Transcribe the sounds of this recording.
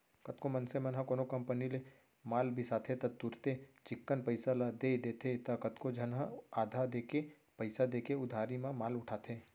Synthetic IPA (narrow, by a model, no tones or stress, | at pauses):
kɐt̪̚komɐnsemɐnɦɐ̃koːnokɐ̃mpənile | maːlbʱɪsaːt̪ʰet̪ɐt̪ʊɾt̪et͡ʃɪkːənpəɪsalad̪ed̪eːt̪ʰet̪ɐkɐt̪kod͡ʒʱənɦəaːd̪ʱad̪eːke | pəɪsad̪eːkeʊd̪ʱaːɾimãmaːlʊʈʰaːt̪ʰeː